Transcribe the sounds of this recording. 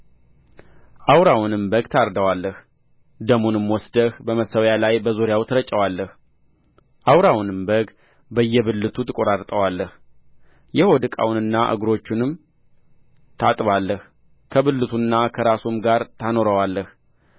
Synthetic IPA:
ʔawɾawnɨmbəɡt̪ʰaɾd̪əwalːəh | d̪əmunɨmwɔsd̪əhbəməsəwjalajbəzoɾɪjawt̪ʰəɾət͡ʃʼːəwalːəh | ʔawɾawnɨmbəɡ | bəjːɛβɨlːɨt̪ʰut̪ʰɨkʼo̞ɾaɾt̪ʼəwalːəh | jɛhod̪ɨkʼa̰wnɨnːaʔɨ̰ɡɾo̞t͡ʃːɪnɨm | t̪ʰat̪ʼβalːəh | kʰəbɨlːɨt̪ʰunːakʰəɾasumɡaɾt̪ʰano̞ɾəwalːəh

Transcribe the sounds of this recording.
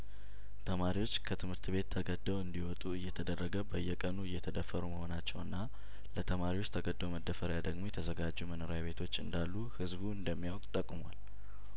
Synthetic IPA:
t̪ʰəmaɾiwo̞t͡ʃːkʰət̪ʰɨmhɨɾt̪ʰbe̞t̪ʰːəɡəd̪ːəwɨnd̪iwɔt̪ʼuɨjːɛt̪ʰəd̪ərːəɡəbəjːɛkʼənuɨjːɛt̪ʰəd̪əfːəɾuməho̞nat͡ʃːɛwɨnːa | lət̪ʰəmaɾiwot͡ʃːt̪ʰəɡəd̪ːəwməd̪ːəfəɾjad̪əɡmo̞jɛt̪ʰəzəɡad͡ʒːumənoɾaaβe̞t̪ʰo̞t͡ʃːɨnd̪alːuhɨzbuɨnd̪əmːijawkʼt̪ʼəkʼumwal

